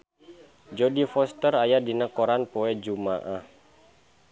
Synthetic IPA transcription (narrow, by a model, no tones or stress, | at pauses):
d͡ʒɔdifɔst̪ərajadinakɔɾanpoɛd͡ʒumaʔa